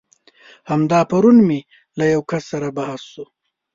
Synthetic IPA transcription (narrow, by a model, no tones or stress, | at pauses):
hamd̪ɑpaɾunmi | lajawkasːaɾabahasʃu